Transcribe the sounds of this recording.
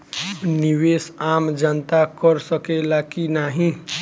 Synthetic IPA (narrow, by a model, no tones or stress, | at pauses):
niwesamd͡ʒənt̪akəɾsəkelakinaɦĩ